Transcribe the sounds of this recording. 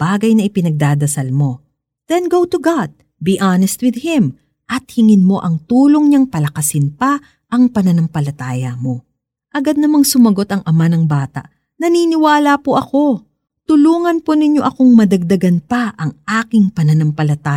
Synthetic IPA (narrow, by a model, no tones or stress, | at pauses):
b̥aːɡɐjnɐʔɪpɪnɐɡ̚d̪aːd̪ɐsɐlmo̞ | ð̥ɛnɡowt̪uɡad̪̚ | biʔanɛst̪̚wɪd̪̚hɪm | ʔɐt̪̚hɪŋɪnmo̞ʔɐŋt̪uːlo̞ŋɲɐŋpɐlɐkɐsɪnpɐ | ʔɐŋpɐnɐnɐmpɐlɐt̪aːjɐmo̞ | ʔɐɡad̪̚nɐmɐŋsʊmɐɡo̞t̪ɐŋʔɐmanɐŋbaːt̪a̰ʔ | nɐniːnɪwaːlapoʔɐko̞ | t̪ʊluːŋɐnponɪɲːo̞ʔɐko̞ŋmɐd̪ɐɡ̚d̪ɐɡɐnpɐʔɐŋʔaːkɪŋpɐnɐnɐmpɐlɐt̪aː